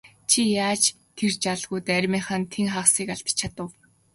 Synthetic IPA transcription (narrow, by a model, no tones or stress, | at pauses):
t͡ɕʰijaːt͡ɕ | t̪ʰert͡ɕaɮɣujt̪æɾʲmiːχăːnt̪ʰeŋχaːχsiːkaɬt̪t͡ɕʰat̪ə̆w